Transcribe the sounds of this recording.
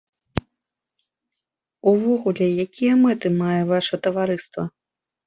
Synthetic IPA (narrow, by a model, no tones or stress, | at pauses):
uvɔɣulʲɛjakʲijɐmɛt̪ɨmajɛvaʂɐt̪ɐvaɾɨst̪vɐ